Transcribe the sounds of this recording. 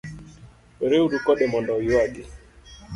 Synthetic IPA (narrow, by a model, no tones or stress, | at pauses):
ɛɾeuɾukɔɗɛmɔndɔjuwaɡi